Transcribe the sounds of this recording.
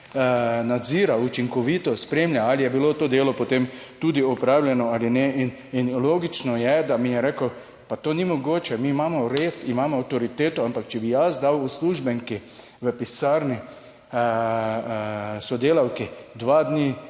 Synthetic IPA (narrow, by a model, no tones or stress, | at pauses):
nad̪ziːɾaut͡ʃiŋkɔʋit̪ɔspɾeːmljaalijɛbilot̪oːd̪eːlɔpot̪emt̪ud̪iɔpɾaːwljɛnɔalinɛin | inloːɡit͡ʃnɔjɛd̪amijɛɾekəw | pat̪oːnimɔɡoːt͡ʃɛmiːmaːmɔɾet̪imaːmɔːwt̪ɔɾit̪eːt̪ɔampakt͡ʃɛbijasd̪awusluʒbəŋki | ʋəpisaɾni | sɔd̪eːlawkid̪ʋad̪ni